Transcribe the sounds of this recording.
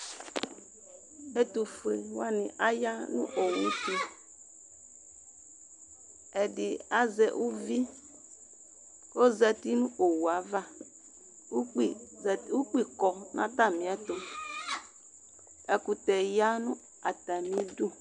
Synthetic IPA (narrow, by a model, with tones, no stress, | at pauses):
ɛ˨tu˨fe˨wa˦˨nɪ̃˨ʔa˦ja˦nṵ̃˦ʔo˨wu˦ti˦ | ɛ˨dɪ˨a˦zɛ˨ʔu˦vi˦ | ko˦zɛ˦ti˦nũ˦ʔo˨wu˨a˨va˦˨˦ | u˦k͡pi˦kɔ˨nʔã̰˦ta˦˨mĩ˨ɛ˦tʊ˦ | ɛ˨ku˨tɛ˨ja˦nʊ̃˦ | a˨ta˨mĩ˦du˦˨